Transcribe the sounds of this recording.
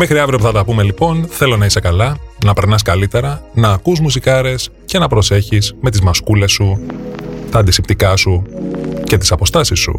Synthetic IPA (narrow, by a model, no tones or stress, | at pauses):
mexɾiɐvɾiopuθɐt̪ɐpume̞lipo̞nθe̞lo̞nɐisekɐlɐnɐpe̞ɾnɐskɐlit̪e̞ɾɐnɐːkuzmus̬ikɐɾe̞s | ce̞nɐpɾo̞se̞çisme̞t̪izmɐskule̞sːu | st̪ɐːnd̪isipt̪ikɐsuce̞t̪i̥sɐpo̞st̪ɐsisːṵ